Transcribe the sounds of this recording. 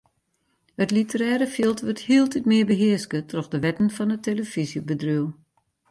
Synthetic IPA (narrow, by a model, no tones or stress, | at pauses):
hətlitəɾɛːɾəfilˠtʋørthiːəlˠtʰitmɪəbəɦɪəskətʰrɔxdəʋɛtənfɔnəteləfisjəbədryw